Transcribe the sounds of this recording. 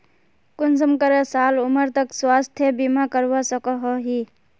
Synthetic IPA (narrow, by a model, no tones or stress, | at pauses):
kʊnsəmkəɾəsaːlʊməɾt̪əkswaːst̪ʰjəbimakəɾwasəkɔɦoɦi